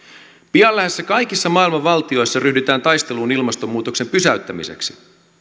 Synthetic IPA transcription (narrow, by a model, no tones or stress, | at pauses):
piɑlːæɦe̞sːækɑjkisːɑmɑːilmɑʋːɑlt̪io̞jsːɑryhdyt̪æːnt̪ɑjst̪e̞luːnilmɑst̪omːuːt̪o̞kse̞mpysæyɥt̪ːæmḭse̞̰ksi̥